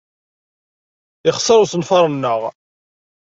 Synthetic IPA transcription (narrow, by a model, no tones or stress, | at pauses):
ɪχsəɾˤusənfɑɾˤənːəʁ